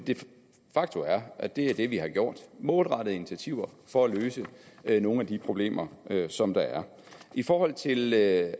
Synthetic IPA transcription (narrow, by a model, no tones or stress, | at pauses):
d̥e̝ | fɑ̈ɡ̥̚t͡sʰoæɐʔæd̥e̝æɐd̥e̝ʋihɑ̈ɡ̥jo̝ɐ̰d̥mo̝lˠʁɑ̈ɾ̥ð̩ˠinit͡sʰiæt͡sʰiʊ̰ɐ | fɒ̽æløːsəno̝ːn̩æd̥ipʰʁo̝b̥le̝̰ːmʔɐøsɒ̽md̥ɑ̈æɐ | ʔifɒːɦɒ̽l̰t͡sʰe̝l